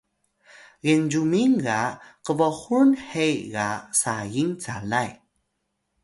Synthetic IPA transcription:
ɣend͡ʑumiŋɣaqəvɔxunhejɣasajiŋt͡sa̰laj

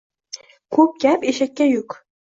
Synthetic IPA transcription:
kʰɵp̚kʲæpeʃækʲːæjuk

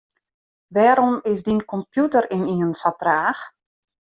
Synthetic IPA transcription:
ʋɛːɾɔmɪsdinkɔmpjutəɾiniənsatraːx

